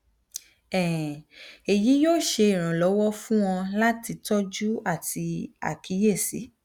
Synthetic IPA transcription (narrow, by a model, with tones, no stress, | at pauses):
ɛ̃˨ | e˨ji˨˦joː˦˨ʃe˧i˦˨ɾ̃ã˨lɔ˨˦wɔ˦fũ˦w̃ɔ̃˧la˦ti˧tɔ˦d͡ʒu˦a˦˨ti˧a̰˨ki˨˦je˦˨sḭ˨˦